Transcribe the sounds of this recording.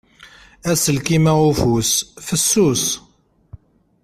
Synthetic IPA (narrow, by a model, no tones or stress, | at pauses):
æsəlkimæʁufusfəsːus